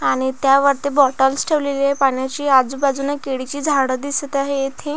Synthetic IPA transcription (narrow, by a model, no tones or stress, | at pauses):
aɽ̃it̪jaʋəɾt̪ebɔʈəlsʈʰeʋlelapaɳjat͡ɕiːad͡zubad͡zunakeɽit͡ɕiːd͡zʱaɽəd̪isət̪aɦejet̪ʰẽ